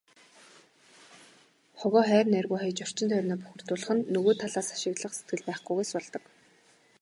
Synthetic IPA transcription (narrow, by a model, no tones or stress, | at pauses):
χɔɣɔːχæːrʲnærɣuːjχɔjt͡ɕɔr̥t͡ɕɪ̆nt̪ʰœrʲnɔːpu̥xʲɵ̆r̥t̪ʊːɮə̆χɘ̆nːɵɣoːt̪ʰːaɮaːsḁʃɪ̆ɣɮə̆χset̪̚ɡɘ̆ɮpæːχɡujɣujsɔɮt̪ɞ̆k